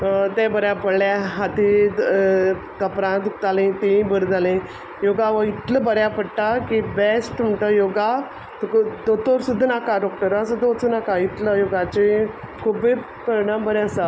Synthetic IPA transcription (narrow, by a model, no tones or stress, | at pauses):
t̪ẽbəɾjapəɽljaɦat̪i | t̪əpɾãt̪ukt̪alẽt̪eĩbəɾd͡zalẽ | joɡaʋəit̪ləbəɾjapəɽʈakibesʈm̤əʈəjoɡa | t̪əkəd̪ot̪oɾsud̪ʱːənakaɖɔk̚ʈəɾəsəd̪ot͡sənakait̪ləjoɡat͡ɕẽ | kʰube | pɾəɾiɽ̃ãmbəɾasa